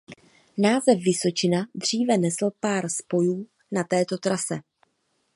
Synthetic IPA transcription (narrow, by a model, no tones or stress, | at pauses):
naːzɛfːɪso̞t͡ʃɪnadr̝iːvɛnɛsl̩paːɾspo̞juː | nat̪ɛːt̪o̞t̪ɾasɛ